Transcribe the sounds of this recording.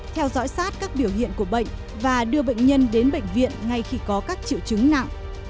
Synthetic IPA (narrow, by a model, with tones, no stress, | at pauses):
t̪ʰɛ˧wzɔ̰˧˥jsaː˦˥t̚kaː˦˥k̚ɓi˧˩əwhḭ˧˨ənku˧˩əɓə̰˧˨jŋ̟ | vaː˨˩ɗɨ˧əɓə̰˧˨jŋ̟ɲə˧nɗe˨˦nɓə̰˧˨jŋ̟vḭ˧˨ənŋa˧˩jxi˧kɔ˨˦kaː˦˥k̚t͡ɕḭ˧˨wt͡ɕɨ˨˦ŋna̰˧˨ŋ